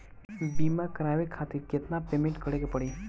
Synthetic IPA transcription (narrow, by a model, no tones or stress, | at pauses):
bimakəɾaʋekʰat̪iɾkjet̪napemẽɳʈkəɽekepəɽi